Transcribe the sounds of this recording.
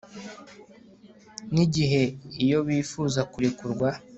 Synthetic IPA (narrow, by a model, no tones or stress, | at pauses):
niɟiɦe̞ijo̞βiːfuːzakuɾikuɾɡwa